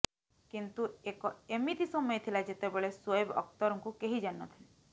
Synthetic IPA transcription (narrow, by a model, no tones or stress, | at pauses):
kint̪uekɔemit̪isɔmɔjet̪ʰilad͡ʒet̪ebeɭesɔebɔ̰kt̪ɔɾɔŋkukeɦid͡ʒanːɔt̪ʰile